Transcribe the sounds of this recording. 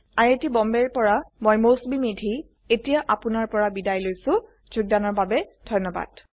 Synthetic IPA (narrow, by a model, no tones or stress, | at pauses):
aɹetibɔmbɛɹpɔɹamojmosbimidʱi | etijaʔapʊnaɹpɔɹabidajlojsʊ̃ | zuɡ̚danɔɹbabɛd̥ʱɔjnɔba̰d̥